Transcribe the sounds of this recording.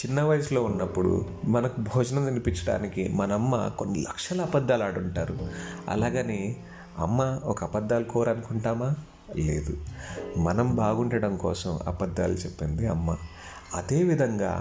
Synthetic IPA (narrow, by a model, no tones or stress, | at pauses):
t͡ʃinːɐʋɐjɐslo̞ːunːɐpːuɽṵ | mɐnɐkubʱɔːd͡ʒɐnɐinipint͡ʃɐɽa̰ːnikḭmɐnɐɐmːa̰ko̞nːilɐ̰kʂɐlɐːpɐd̪ːaːlaːɽuɳʈaːɾuɐ̰laːɡɐni | ɐ̰mːaɔkɐpɐd̪ːaːlukɔːɾɐnukuɳʈaːmaː | le̞̰ːd̪umɐnɐmbaːɡuɳʈɐɽɐmkɔːsɐmɐ̰pɐd̪ːa̰ːlut͡ʃepːind̪iɐmːa | ɐd̪e̞ːʋid̪ʱɐŋɡa̰ː